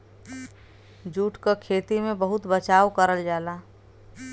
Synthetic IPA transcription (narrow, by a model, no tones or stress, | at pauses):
d͡ʒuːʈkakʰeːt̪imẽbəɦʊt̪bət͡ʃaːwkəɾəld͡ʒaːlaː